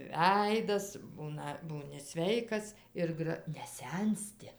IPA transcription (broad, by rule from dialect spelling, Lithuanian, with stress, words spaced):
ˈʋʲɛɪdɐs ˈbuːnɐ ˈbuːnʲɪ ˈsʲʋʲɛɪkɐs ˈɪr ɡrɐ nʲɛˈsʲɛnʲsʲtʲɪ